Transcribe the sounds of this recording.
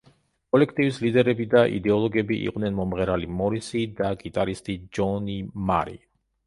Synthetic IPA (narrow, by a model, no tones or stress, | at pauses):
kʼɔlɛkʰt̪ʼivislid̪ɛɾɛbid̪aʔḭd̪ɛɔlˠɔɡɛbiʔḭqʼd̪nɛnmɔmʁɛɾalimɔɾisid̪aɡit̪ʼaɾist̪ʼid͡ʒɔnima̰ɾḭ